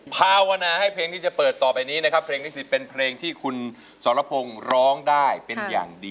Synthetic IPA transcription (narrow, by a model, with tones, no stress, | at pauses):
pʰaː˧wa˧naː˧ha˥˩jpʰleː˧ŋʰiː˥˩t͡ɕa˨˩pɤː˨˩t̪ːɔː˨˩pa˧jniː˦˥na˦˥kʰa˦˥pʰːleː˧ŋni˦˥˩si˨˦˩pe˧npʰleː˧ŋt̪ʰiː˥˩kʰu˧n | sɔː˩˦nɾa˧˦pʰo˧ŋɾɔː˦˥ŋdaː˥˩jpe˧nja̰ː˨˩ŋdiː˧